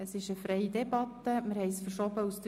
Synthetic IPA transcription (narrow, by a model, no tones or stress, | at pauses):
əsɪʃəfɾɛɪd̪ɛbɑt̪ːəmɪɾhɛɪsfəɾʃɔbəust̪